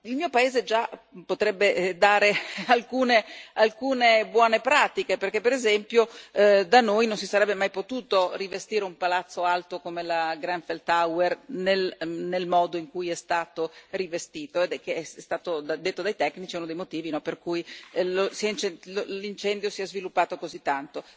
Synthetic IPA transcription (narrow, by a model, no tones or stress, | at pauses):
ilmiːopaeːzed͡ʒapot̪ɾɛbːed̪aːɾealkuːnealkuːnebwɔːnepɾaːt̪ikeperk̟epːeɾezɛmpjod̪anojnons̬isaɾɛbːemajpot̪uːt̪orivest̪iːɾeumpalat̪sːoalt̪okomelaɡɾanfelt̪awernelnelmɔːd̪oiŋkujɛst̪aːt̪orivest̪iːt̪oed̪ɛkeɛɛst̪aːt̪od̪ad̪et̪ːod̪ajt̪ɛkːnit͡ʃiɛunod̪ejmot̪iːvinɔperkujlosiɛnt͡ʃɛllint͡ʃɛnd̪josiɛzvilupːaːt̪okozit̪ːant̪o